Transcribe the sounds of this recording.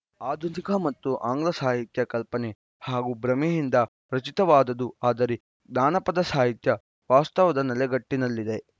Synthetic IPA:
aːd̪ʱunikɐmɐt̪ːuʔaːŋɡlɐsaːɦit̪jɐkɐlpɐne | haːɡubɾɐmejind̪ɐ | pɾɐt͡ʃit̪ɐʋaːd̪ɐd̪uaːd̪ɐɾe | d̪aːnɐpɐd̪ɐsaːɦit̪jɐ | ʋaːst̪ɐʋɐd̪ɐnɐlɛɡɐʈːinɐlːid̪e̞

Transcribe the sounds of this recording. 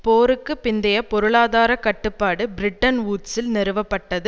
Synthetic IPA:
poːɾɯkːɯpːɪnd̪ɐjɐpɔɾɯɭaːðaːɾɐkɐʈːɯpːaːɽɯbɪɾɪʈːɐnʋuːʈsɪlnɛɾɯʋɐpːɐʈːɐðɯ

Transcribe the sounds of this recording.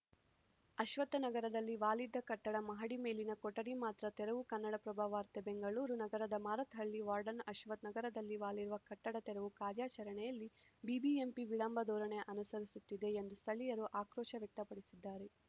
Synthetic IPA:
ɐʃʋɐt̪ːɐnɐɡɐɾɐd̪ɐlːiʋaːlid̪ːɐkɐʈːɐɽɐmɐɦɐɽimeːlinɐkɔʈːɐɽimaːt̪ɾɐt̪ɛɾɐʋukɐnːɐɽɐpɾɐbʱaːʋaːɾt̪ebeŋɡɐɭuːɾunɐɡɐɾɐd̪ɐmaːɾɐt̪ɦɐɭːiʋaːɾɖɐnɐʃʋɐt̪nɐɡɐɾɐd̪ɐlːiʋaːliɾuʋɐkɐʈːɐɽɐt̪ɛɾɐʋukaːɾjaːt͡ʃɐɾɐɳɛjɐlːi | bibiempiʋiɭɐmbʱɐd̪ɔːɾɐɳeʔɐnusɐɾisut̪ːid̪e̞ːnd̪ust̪ʰɐɭijɐɾuʔaːkɾɔːʃɐʋjɐk̚t̪ɐpɐɽisid̪ːaːɾe

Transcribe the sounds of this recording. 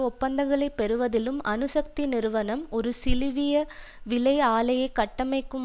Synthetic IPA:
ʊpːɐnd̪ɐŋɡɐɭɐɪpːɛɾɯʋɐðɪlɯmʔɐ̰nɯsɐk̚t̪inɪɾɯʋɐnɐmɔɾɯsɪlɪʋɪjɐ | ʋɪlɐɪaːlɐjɐɪkːɐʈːɐmɐɪkːɯm

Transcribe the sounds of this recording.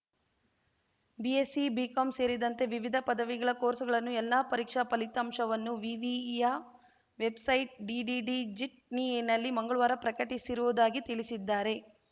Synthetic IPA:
biesibiːkɐmse̞ːɾid̪ɐnt̪e̞ʋiʋid̪ʱɐpɐd̪ɐʋiɡɐɭɐkoːɾsɐɡɐɭɐnːuɛlːaːpɐɾiːkʂɐpɐlit̪ɐmʃɐʋɐnːuʋiʋija | ʋe̞bsɐjʈ̚ɖiːɖiːɖid͡ʒiʈ̚ninːɐlːimɐŋɡɐɭuʋaːɾɐpɾɐkɐʈisiɾuʋud̪aːɡit̪iɭisid̪ːaːɾe̞

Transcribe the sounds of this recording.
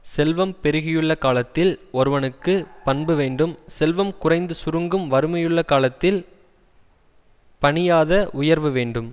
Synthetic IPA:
sɛlʋɐmpɛɾɯɣɪjɯɭːɐkaːlɐt̪ːɪlɔɾɯʋɐnɯkːɯpɐnbɯʋeːɳɖɯmsɛlʋɐmkʊrɐɪnd̪ɯsʊɾɯŋɡɯmʋɐɾɯmɐjɯɭːɐkaːlɐt̪ːɪl | pɐɳɪjaːðɐʔʊjɐɾʋɯʋeːɳɖɯm

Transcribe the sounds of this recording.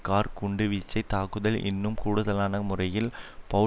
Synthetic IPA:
kaːɾkʊɳɖɯʋiːt͡ʃːɐɪt̪aːkɯðɐlʔɪ̰nːɯmkuːɽʊðɐlaːnɐmʊrɐjɪlpɐ

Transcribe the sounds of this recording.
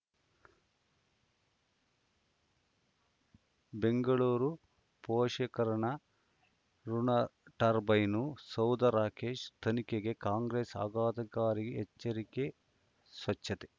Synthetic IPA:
beŋɡɐɭuːɾu | poːʃɐkɐɾɐɳɐ | ɾunɐʈɐɾbɐjnusɐwd̪ɐɾaːkeːʃt̪ʰɐnikeɡe̞kaːŋɡɾeːsa̰ːɡaːd̪ɐkaːɾiɡeɛt͡ʃːɐɾike | sʋɐt͡ʃːɐt̪e

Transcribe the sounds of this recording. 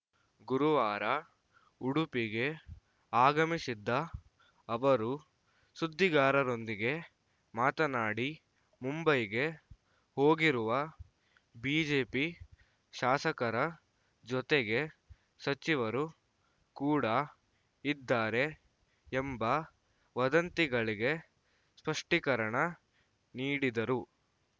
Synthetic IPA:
ɡuɾuʋaːɾɐ | uɽupiɡe̞ | aːɡɐmisid̪ːɐː | ʋɐɾu | sud̪ʱːiɡaːɾɐɾo̞nd̪iɡe̞ | maːt̪ɐnaːɽi | mumbɐjɡe̞ | hoːɡiɾuʋɐ | biːd͡ʒe̞ːpi | ʃaːsɐkɐɾɐ | d͡ʒɔt̪eɡe̞ | sɐt͡ʃiʋɐɾu | kuːɽɐ | id̪ːaːɾe̞ː | mbɐ | ʋɐd̪ɐnt̪iɡɐɭiɡe̞ | spɐʂʈikɐɾɐɳɐ | niːɽid̪ɐɾu

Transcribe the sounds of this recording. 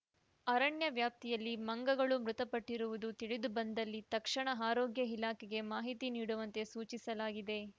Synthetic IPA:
ɐɾɐɳjɐʋjaːp̚t̪ijɐlːimɐŋɡɐɡɐɭumɾut̪ɐpɐʈːiɾuʋud̪ut̪iɭid̪ubɐnd̪ɐlːit̪ɐkʂɐɳɐɦaːɾoːɡjɐɦilaːkɛɡe̞maːɦit̪iniːɽuʋɐnt̪e̞suːt͡ʃisɐlaːɡid̪e̞

